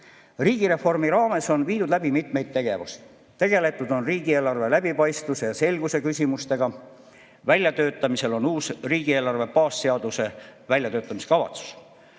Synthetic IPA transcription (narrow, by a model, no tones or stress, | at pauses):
riːɡ̥iɾe̞fo̞rmiɾɑːme̞so̞nviːd̪ud̪læb̥imit̪me̞jd̪̥̚t̪e̞ɡ̥e̞vusi̥ | t̪e̞ɡ̥e̞le̞t̪ːˑud̪o̞nriːɡieːlɑrve̞læb̥ipɑjst̪use̞jɑse̞lɡ̥use̞kysʲimust̪e̞ɡ̥ɑ | vælʲjɑt̪ø̞ːt̪ːˑɑmise̞lo̞nuːsriːɡ̥ie̞ːlɑrve̞pɑːsːeɑd̪use̞vælʲjɑt̪øːt̪ːˑɑmise̥kɑvɑ̰t̪su̥s